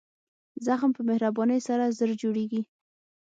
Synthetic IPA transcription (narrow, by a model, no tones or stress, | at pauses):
zaxmpəmɪhɾabɑnəjsaɾazəɾd͡ʒoɽeɡi